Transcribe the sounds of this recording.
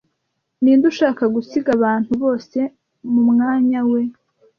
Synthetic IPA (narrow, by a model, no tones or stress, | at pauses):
niːnduʃaːkaɡusiɡaβaːn̥huβo̞ːse̞ | mumŋaːɲawe̞